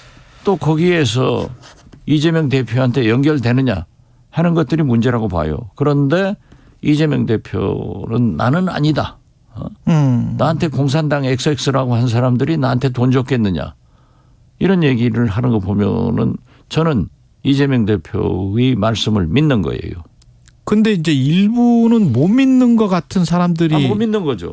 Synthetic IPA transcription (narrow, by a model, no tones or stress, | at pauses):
t͈okʌɡie̞s̬ʰʌ̰ | id͡ʑe̞mjʌŋte̞pʰjoɦantʰe̞jʌŋɡjʌɭde̞nɯɲa | hanɯnɡʌt̚t͈ɯɾimund͡ʑe̞ɾɦaɡopa̰jo̰kɯɾʌnde̞ | id͡ʑe̞mjʌŋde̞pʰjo̰nɯnːa̰nɯna̰ɲida̰ | naɦantʰe̞koŋs̬ʰandaŋek̚s͈ek̚s͈ɯɾaɡohans̬ʰaɾamdɯɾinaɦantʰe̞tond͡ʑʌk͈e̞nːɯɲa̰ | iɾʌnje̞ɡiɾɯɭɦanɯnɡʌpomjʌ̰nɯ̰n | t͡ɕʌnɯn | id͡ʑe̞mjʌŋde̞pʰjo̰imaɭs͈ɯmɯɭminːɯnɡʌ̰e̞̰jo̰ | kɯnde̞ind͡ʑe̞iɭbunɯnmominːɯnɡʌk͈atʰɯnsʰaɾamdɯɾiɡʌminːɯnɡʌd͡ʑo̰